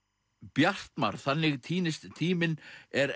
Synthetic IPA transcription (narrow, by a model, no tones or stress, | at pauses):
pjar̥t̪ma̰ɾ̥θanːɪɣt̪ʰiːnɪst̪t̪ʰiːmɪnɛɾ